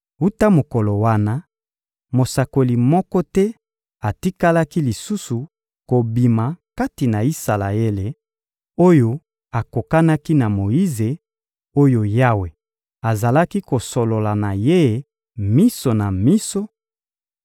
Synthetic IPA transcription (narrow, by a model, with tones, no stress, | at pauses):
u˦ta˦mo˨kɔ˨lo˨wa˦na˦ | mo˨sa˨ko˨li˨mɔ˦kɔ˦tɛ˦ | a˨ti˦ka˦la˦ki˦li˨su˦su˨ | ko˨bi˨ma˨ka˦ti˨na˨i˦sa˨la˨e˦le˨ | o˦jo˦ | a˨ko˨ka˦na˦ki˦na˨mo˨ji˦ze˨ | o˦jo˦ja˦we˨ | a˨za˨la˦ki˦ko˨so˨lo˨la˨na˨je˦ | mi˦so˨na˨mi˦so˦